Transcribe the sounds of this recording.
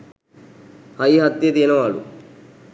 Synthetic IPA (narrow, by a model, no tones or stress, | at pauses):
hɐjɦɐt̪ːjɐd̪eːnɐʋaːɭṵ